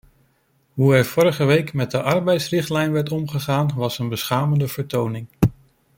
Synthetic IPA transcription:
ɦuɛɹv̥ɔɾəχəʋejkmɛt̚dəʔɑɹbɛjtsrɪχtlɛjnʋɛɹtɔmχəχaːnʋɑsənbəsχaːməndəvəɹtownɪŋ

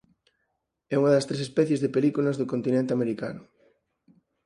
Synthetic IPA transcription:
ɛuŋɐðɐst̪ɾesespɛθjezðepelikulɐzðʊkont̪inẽnt̪eameɾika̰nʊ

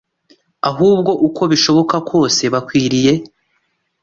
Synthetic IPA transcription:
aɦuːb̚ɡo̞ʔuko̞βiʃo̞βo̞kakwo̞ːse̞βakwiːɾije̞

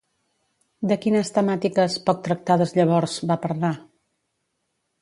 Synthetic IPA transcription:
d̪əkinəst̪əmat̪ikəspɔk̚t̪ɾək̚t̪aðəzʎəβ̞ɔɾz̥bapəɾla

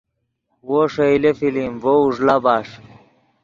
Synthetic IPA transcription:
woʂɐilefilimvouʐlabaːʂ

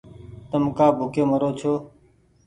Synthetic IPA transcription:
t̪əmkaːbʱʊkeːməɾoːt͡ʃʰoː

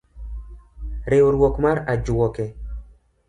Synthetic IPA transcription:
ɾeoɾwɔkmaɾad͡ʒwɔkɛ

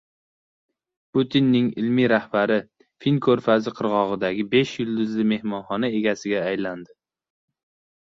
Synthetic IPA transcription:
pʊt̪ʰinːɪŋɪ̰lmiɾahbaɾɪ | finkʰɵɾfazɪqʰɨɾʁɒʁɨd̪aɡʲɪbe̞ʃjʊlˠd̪ʊzlɪme̞hmɒnχɒnae̞ɡʲasɪɡʲaːjland̪ɪ

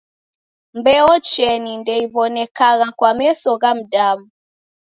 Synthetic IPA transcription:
mbɛɔt͡ʃɛnindɛiβɔnɛkaɣakwamɛsɔɣam̩damu

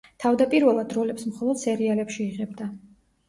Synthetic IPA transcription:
t̪ʰavd̪apʼiɾvɛlˠad̪ɾɔlɛpsmχɔlˠɔd̪̥sɛɾialɛpʃiːʁɛbd̪a

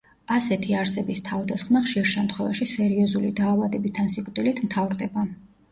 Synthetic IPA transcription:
asɛt̪ʰiaɾsɛbist̪ʰavd̪asχmaχʃiɾʃɛmt̪ʰχwɛva̰ʃisɛɾiɔzulid̪aːvad̪ɛbit̪ʰːansikʼt̪d̪ʼilit̪ʰmt̪ʰavɾd̪ɛba

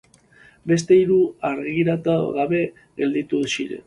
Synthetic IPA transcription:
be̞st̪e̞iɾuaɾɣiɾat̪aɣaβe̞ | ɣe̞ld̪it̪usiɾḛ

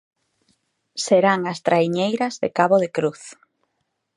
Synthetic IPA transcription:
seɾaŋast̪ɾaiɲejɾɐzðekaβoðekɾuθ

